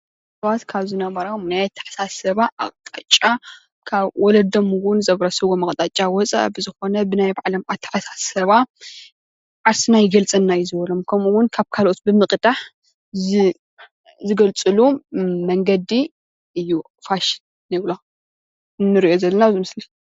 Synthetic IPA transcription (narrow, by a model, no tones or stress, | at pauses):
sɐβat̪kʰaβzinɐmɐɾamnajt̪ʰːɐ̥ħḁsasɐβaʔa̰χʼt̪ʼat͡ʃʼa | kʰaβwɔlɐd̪ɐmwʊnzɐβɾɐsɐβɡomɐχʼt̪ʼat͡ʃʼawɔt͡sʼa̰ʔbɨzɨxo̞nɐbɨnajbaʕlɐmat̪ʰːɐ̥ħasḁsɐβa | ʕaɾsɨnajɪɡɐlt͡sʼɐnːajɪzɨβɐlo̞mkʰɐmuwʊnkʰaβkʰalo̞t̪̚bɨmɨkʼd̪̥aħ | zɨ | zɨɡɐlt͡sʼɨlumɐŋɡɐd̪i | ʔɨjːu | faʃ | nɨβlo | ɨnːɨɾiʔo̞zɐlːɐnazɨmɨsli